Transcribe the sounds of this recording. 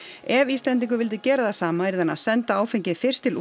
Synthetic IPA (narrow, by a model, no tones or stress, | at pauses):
ɛviːst̪lɛnt̪iŋkʏvɪlt̪̬ɪcɛːɾaðasaːmaɪɾðana̰sɛnt̪aaːwfɪɲcɪfɪr̥st̪ɪlu